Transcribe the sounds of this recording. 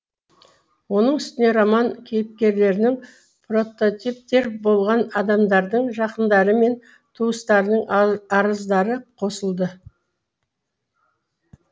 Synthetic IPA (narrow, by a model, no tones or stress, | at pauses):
wo̞nəɴʏst̪ɪne̞ɾɑmɑŋkʲʰejɪp̚kʲe̞ɾle̞ɾɪnɪŋ | pro̞t̪o̞t̪ip̚t̪e̞ɾbo̞lˠʁɑnɑd̪ɑmd̪ɑɾd̪əɴʒɑqənd̪ɑɾəme̞n | t̪ʰuəst̪ɑɾənəɴɑɾəzd̪ɑɾəqʰo̞səlˠd̪ə